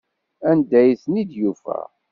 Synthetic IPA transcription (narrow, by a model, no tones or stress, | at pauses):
ænd̪æjθnid̪jufæ̰